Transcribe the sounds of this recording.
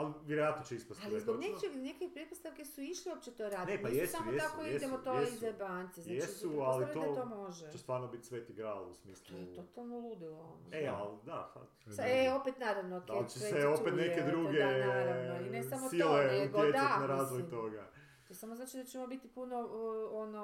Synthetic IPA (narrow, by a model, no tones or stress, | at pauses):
aliʋʲjeɾojat̪not͡ʃeispast̪alizb̪oɡnet͡ʃeɡnekipɾepost̪aʋkesuiʃliop̚t͡ʃet̪oɾaːd̪nepajessamujoet̪akoied̪emot̪oeizabansezjeasualit̪od̪at̪omo̞ʒet͡ʃest̪ʋaːɾnobit̪sʋet̪iɡɾaːlusmiːslt̪ˠojeot̪alˠnolˠud̪iloonoeald̪afa̰t̪aeo̞pet̪naɾaʋnotd̪aolit͡ʃeeseopet̪neked̪ɾuɡeaɾaoinesamoileut̪jed̪enaɾaːzʋojt̪o̞ɡa | osamoznaːt͡ʃid̪at͡ʃemobit̪ipunoono